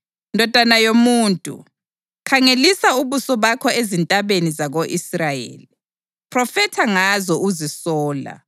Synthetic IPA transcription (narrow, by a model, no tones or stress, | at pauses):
ndʱɔd̥ʱanajomuːntʼṵ | kʰaŋelisauβusɔβakʰɔezintʼaβenizaɣoʔisrajḛːli | pʰrɔfɛtʰaŋazɔʔuzisɔːla̰